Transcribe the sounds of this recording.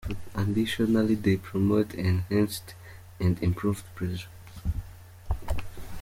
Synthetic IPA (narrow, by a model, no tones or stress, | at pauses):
ãndiʃɔnalidepʰɹɔmotɛ̃nhæ̃nst | ɛ̃ndĩmpʰɹuvdpʰɹɛʒə